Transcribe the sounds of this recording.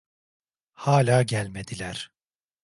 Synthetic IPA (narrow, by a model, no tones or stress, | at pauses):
haːlʲaːɟælʲme̞d̪̥ilʲæɾ̥